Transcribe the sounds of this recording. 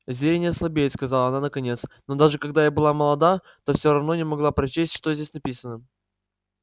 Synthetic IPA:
zʲenʲɪəslˠɐbʲejɪt̪skɐzɑlˠəɐnanəkɐnʲet̪sno̞d̪aʐɨkɐɡd̪ajabɨlˠaməlˠɐd̪a | t̪o̞fsʲoɾɐvnonʲɪmɐɡlˠapɾɐt͡ɕesʲtʲʂt̪ozʲdʲesʲnɐpʲisənə

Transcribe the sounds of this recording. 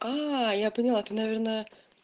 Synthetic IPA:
ajapənʲɪlˠat̪ɨnɐvʲernəjə

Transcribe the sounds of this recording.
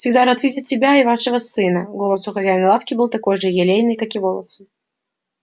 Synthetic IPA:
fsʲɪɡd̪aɾɐt̪vʲidʲɪt̪ʲsʲɪbʲaɪvaʂɨvəsɨnəɡo̞lˠəsʊxɐzʲæjnəlˠafkʲɪbɨlˠt̪ɐko̞jʐɨjɪlʲejnɨjkakɪvolˠə̰sɨ

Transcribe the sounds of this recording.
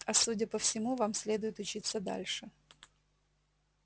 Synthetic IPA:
ɐsudʲəpəfsʲɪmuvamsʲlʲe̞d̪ʊjɪt̪ʊt͡ɕit̪sːəd̪a̰lʲʂɨ

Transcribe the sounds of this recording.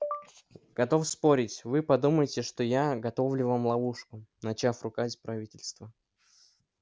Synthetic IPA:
ɡ̥ɐt̪o̞fspo̞ɾʲɪtʲvɨpɐd̪uməjɪtʲɪʂt̪o̞jaɡɐt̪o̞vlʲɪvamlˠɐuʂkʊnɐt͡ɕafrʊkazʲpɾɐvʲitʲɪlʲst̪və

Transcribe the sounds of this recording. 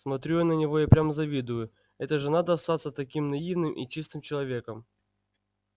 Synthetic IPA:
smɐt̪ɾʲujanənʲɪvo̞japɾʲaməzɐvʲid̪ʊjʊ | ɛt̪əʐɨnad̪əɐst̪at̪sət̪ɐkʲimnɐivnɨmʔḭt͡ɕist̪ɨmt͡ɕɪlˠɐvʲe̞kəm

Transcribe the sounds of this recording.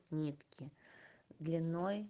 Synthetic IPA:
nʲit̪kʲʰid̪lʲinoj

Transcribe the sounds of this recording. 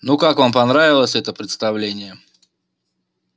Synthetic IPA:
nukakvampɐnɾavʲɪlˠəsʲɛt̪əpɾʲɪt̪st̪ɐvlʲenʲɪjə

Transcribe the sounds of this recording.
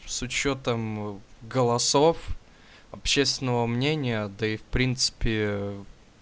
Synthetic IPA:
sʊt͡ɕo̞t̪əmɡəlˠɐsof | ɐpɕest̪ʲvʲɪnəvəmnʲenʲɪjəd̪əifpɾʲint̪sɨ̥pʲɪ

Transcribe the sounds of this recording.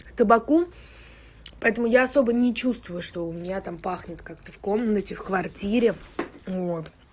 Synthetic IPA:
t̪əbɐku | pɐɛt̪əmʊjaɐso̞bənʲɪt͡ɕust̪vʊjʊʂt̪o̞ʊmʲɪnʲat̪ampaxnʲɪt̪kak̚t̪əfko̞mnːətʲɪfkvɐrtʲiɾʲɪvot̪

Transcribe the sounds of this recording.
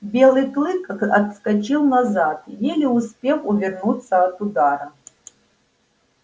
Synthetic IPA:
bʲelˠɨjklˠɨkɐt̪skɐt͡ʃilˠnɐzat̪jelʲɪʊspʲexʊvʲɪrnut̪sːɐɐt̪ʊd̪aɾɐ

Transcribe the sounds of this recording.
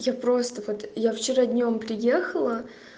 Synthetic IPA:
japɾo̞st̪əvo̞t̪jaft͡ɕɪɾadʲnʲo̞mpɾʲɪjexəlˠə

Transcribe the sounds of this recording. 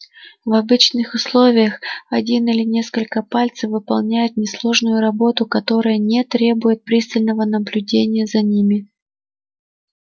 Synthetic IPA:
vɐbɨt͡ɕnɨxʊslˠo̞vʲɪjəxɐdʲinilʲɪnʲe̞skəlʲkəpalʲt̪səfvɨpɐlˠnʲæjʊt̪̚nʲɪslˠo̞ʐnʊjʊɾɐbo̞t̪ʊkɐt̪o̞ɾəjənʲet̪ɾʲe̞bʊjɪt̪̚pɾʲist̪əlʲnəvənəblʲʉdʲenʲɪjəzɐnʲimʲɪ

